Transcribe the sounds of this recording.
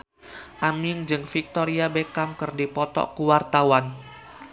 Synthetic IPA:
ʔamɪŋd͡ʒɨŋfik̚t̪oɾiabekamkɨrdipɔt̪ɔ̰kuwart̪awan

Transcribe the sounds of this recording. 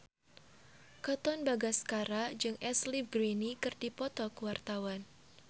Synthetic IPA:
kɔt̪ɔnbaɡaskaɾad͡ʒɨŋɛslibɾinikɨrdipɔt̪ɔkəwart̪awan

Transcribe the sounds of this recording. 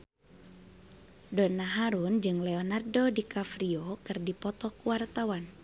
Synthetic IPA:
donaɦaɾund͡ʒɨŋlɛonardodikafɾiokɨrdipɔt̪ɔkuwart̪awan

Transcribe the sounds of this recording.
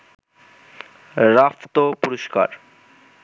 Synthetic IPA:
ɾaft̪opuɾoʃka̰ɾ

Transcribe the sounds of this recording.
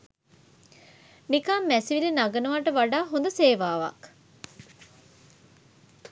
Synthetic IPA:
nikamːæsiʋilenaɡənuʋaːʈəʋaɖaːɦond̪əseːʋaːʋɐ̰k

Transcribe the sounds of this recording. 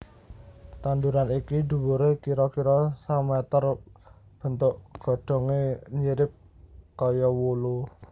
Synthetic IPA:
t̪and̪uɾanikid̪̥ṳwuɾekiɾɔkiɾɔsamɛt̪ər | b̥ə̤nt̪ʊʔɡ̥ɔ̤ɖ̥ɔ̤ŋeɲiɾɪp̚ | kɔjɔwulu

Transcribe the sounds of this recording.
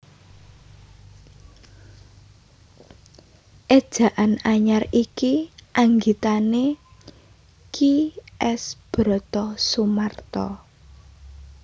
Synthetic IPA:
ʔed̥ʒ̥ä̤ʔanaɲarikiʔaŋɡit̪ane | kʰiɛsb̥ɾɔ̤t̪ɔsumart̪ɔ̰

